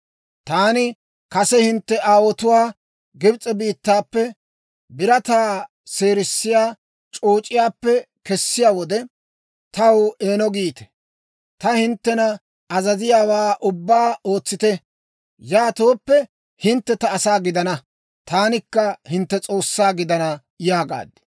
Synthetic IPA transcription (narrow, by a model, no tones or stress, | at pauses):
t̪aːnɪ | kɐsɛhɪnt̪ːɛʔaːwɔt̪ʊwaː | ɡɪbt͡sʼɛbiːt̪ːaːpːɛ | bɪɾɐt̪aː | se̞ːɾɪsːɪjaː | t͡ʃʼoːt͡ʃʼɪjaːpːɛ | kɛsːɪjaːwɔd̪ɛ | t̪ɐwe̞ːnɔɡiːt̪ɛ̥ | t̪ɐhɪnt̪ːɛnɐ | ɐzɐzɪjaːwaːʔʊbːaːo̞ːt͡sːɪt̪ɛ | jaːt̪oːpːɛ | hɪnt̪ːɛt̪ɐːsaːɡɪd̪ɐnɐ | t̪aːnɪkːɐhɪnt̪ːɛt͡sʼo̞ːsːaːɡɪd̪ɐnɐ | jaːɡa̰ːd̪ɪ̥